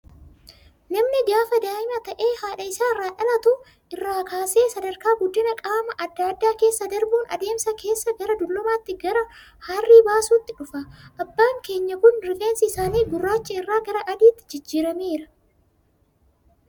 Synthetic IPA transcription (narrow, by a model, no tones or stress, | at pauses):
nɐmnɪɡaːfɐd̪aːɪmɐt̪ɐʔeːhaːᶑɐɪsaːɪrːaːᶑɐlɐt̪ʊ | ɪrːaːkaːse̞ːsɐd̪ɐɾkaːɡʊd̪ːɪnɐkʼaːmɐʔɐd̪ːaːd̪ːaːke̞ːsːɐd̪ɐɾbuːnɐ̰d̪e̞ːmsɐkʰe̞ːsːɐɡɐɾɐd̪ʊlːɔmaːt̪ːɪɡɐɾɐ | harːiːbaːsuːt̪ːɪᶑʊfɐʔɐbːaːŋke̞ːɲːɐkʊnɾɪfe̞ːnsɪɪsaːniːɡʊrːaːt͡ʃːɐɪrːaːɡɐɾɐʔɐd̪iːt̪ːɪ̥d͡ʒɪd͡ʒːiːɾɐme̞ːɾɐ